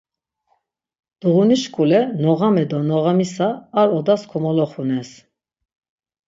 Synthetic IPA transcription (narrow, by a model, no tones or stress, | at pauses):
d̪̥uʁuniʃkʼulɛnɔʁamɛd̪ɔnɔʁamisaːɾɔd̪askʰɔmɔlɔχunɛs